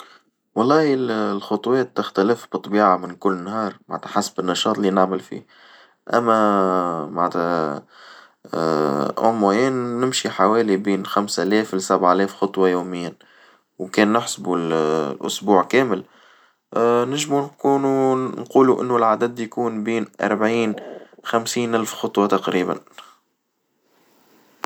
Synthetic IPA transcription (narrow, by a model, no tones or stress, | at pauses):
wɑlˤːɑːhəllxʊt̪ˤwɛːt̪ːɪxt̪æləfbɨt̪ˤːbiːʕamɪnkʊlːnːhɑːɾˤmaʕnt̪ʰæħasbɪnːɑʃɑːt̪ˤlinaʕməlfḭː | ʔæ̰mːæ | maʕt̪æ | ʔʊ̰mːæjɛːnːɪmʃiħawɛːlibiːnxamsʔælɛːflsabaʕʔlɛːfxʊt̪ˤwɑjuːmɪjːɪn | wkɛːnːɪħsbullʔʊ̰sbuːʕkɛːmɪl | nɪʒmunkuːnunquːluʔɪ̰nːʊlʕad̪æd̪jkuːnbiːnʔɑ̰ɾˤbʕiːnxamsiːnʔælfxʊt̪ˤwɑt̪ɑqɾiːbæ̰n